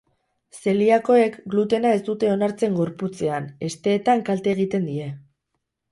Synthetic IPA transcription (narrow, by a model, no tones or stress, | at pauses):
se̞liako̞e̞kɡlut̪e̞nae̞st̪ut̪e̞o̞naɾt͡se̞ŋɡo̞ɾput͡se̞ane̞st̪e̞ːt̪aŋkalt̪e̞ːɣ̞it̪e̞nd̪ie̞